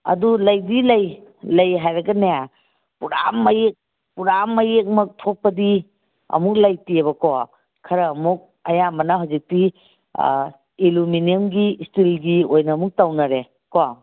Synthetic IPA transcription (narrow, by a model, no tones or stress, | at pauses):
ɐ̰dulɐjdilɐjlɐjɦajɾɐɡɐneja | puɾa̰mːɐjek̚ | puɾamːɐjek̚mɐk̚tʰok̚pɐdi | ɐ̰muk̚lajtieβɐkɔ | kʰɐɾɐːmuk̚ | ɐjamɐnɐɦawzik̚tḭ | iluminiemɡistilɡiojnɐːmuk̚tawnɐɾe | kɔ